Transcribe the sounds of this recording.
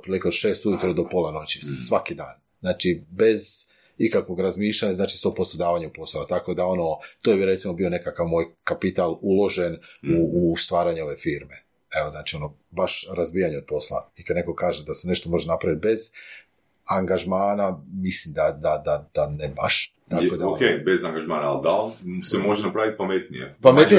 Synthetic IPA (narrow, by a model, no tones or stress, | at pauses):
t̪pɾilikeo̞d̪ʃe̞ːst̪ujut̪ɾod̪o̞polˠano̞t͡ɕisʋakid̪aːn | znaːt͡ʃibe̞z | ikakʋo̞ɡɾazmiːʃlʎaɲaznaːt͡ʃi̥st̪opo̞st̪od̪aːʋaɲeupo̞saot̪ako̞d̪ao̞no̞t̪ojebiɾet̪simo̞bio̞ne̞kakaʋmoːjkapit̪alulo̞ʒe̞nuːst̪ʋaːɾaɲeo̞ʋe̞fiɾme̞ | e̞oznaːt͡ʃio̞no̞baʃɾazbiːjaɲeo̞d̪̚po̞slˠa̰ikad̪ne̞ko̞kaːʒe̞d̪asene̞ʃt̪o̞mo̞ʒe̞napɾaʋit̪̚be̞z | aŋɡaʒmaːnamislimd̪ad̪ad̪ad̪̥aneba̰ʃt̪akod̪aokejbezaŋɡaʒmaːnaːlˠd̪alsemo̞ʒenapɾaʋit̪̚pamet̪nijḛpamet̪i